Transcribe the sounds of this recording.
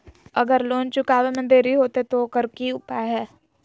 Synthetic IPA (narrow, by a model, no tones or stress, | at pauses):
əɡəɾloːnt͡ʃʊkaːʋemə̃nd̪eːɾiɦoːt̪et̪okəɾkiːʊpaɦɛː